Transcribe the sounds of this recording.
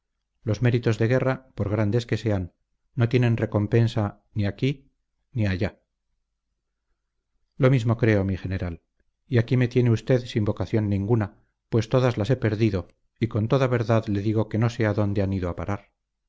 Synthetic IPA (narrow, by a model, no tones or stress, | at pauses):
lo̞zme̞ɾit̪o̞zðe̞ɣ̞e̞rapo̞ɾɣ̞ɾand̪e̞ske̞se̞anː | o̞t̪je̞nẽ̞nre̞ko̞mpe̞nsa | niaki | niaʝa | lo̞mizmo̞kɾe̞o̞mixe̞ne̞ɾal | iakime̞t̪je̞neust̪e̞ðsimbo̞kaθjo̞nːĩŋɡuna | pwe̞st̪o̞ðazlase̞pe̞ɾðiðo̞ | iko̞nt̪o̞ðaβe̞ɾðaðle̞ðiɣ̞o̞ke̞no̞se̞aðo̞nd̪e̞aniðoapaɾʔaɾ